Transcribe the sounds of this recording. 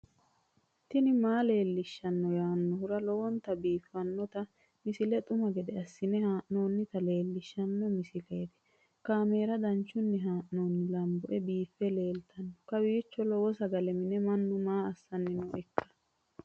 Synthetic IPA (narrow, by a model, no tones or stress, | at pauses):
t̪ɪnɪmaːle̞ːlːɪʃːɐnːɔjaːnːɔhʊɾɐlɔwɔnt̪ɐbiːfːɐnːɔt̪ɐ | mɪsɪlɛt̪ʼʊmɐɡɛd̪ɛɐsːɪnɛhaːʔno̞ːnːɪt̪ɐle̞ːlːɪʃːɐnːɔmɪsɪleːd̪ɛ̥ | kaːme̞ːɾɐd̪ɐnt͡ʃːʊnːɛɦaːʔno̞ːnːɪlɐmbɔʔɛbiːfːɛle̞ːlt̪ʰɐnːɔkɐwiːt͡ʃːɔlɔwɔsɐɡɐlɛmɪnɛmɐnːʊmaːɐsːɐnːɪnɔɛkːɐ̥